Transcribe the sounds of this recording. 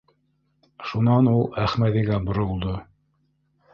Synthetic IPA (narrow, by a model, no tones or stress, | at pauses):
ʃunɑnulˠæχmæðiɡæbŏɾŏlˠd̪o